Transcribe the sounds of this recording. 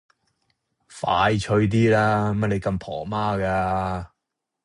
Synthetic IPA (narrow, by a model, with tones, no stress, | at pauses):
faː˨˧jt͡ʃʰɵ˧ɥt̪̬iː˥laː˥mɐ˥˩le˨˧jkɐ˧mpʰɔː˨˩maː˥kaː˧